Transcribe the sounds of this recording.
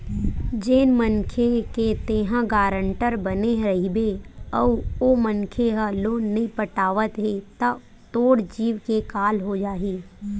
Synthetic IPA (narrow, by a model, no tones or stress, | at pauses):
d͡ʒeːnmənkʰeket̪eːɦãɡaːɾəɳʈəɾbəneɦɾɐɦibeɔːomənkʰeɦəloːnːɐɦĩpəʈaːʋət̪ɦet̪a | t̪oːɽd͡ʒiːʋkekaːlɦod͡ʒaːɦiː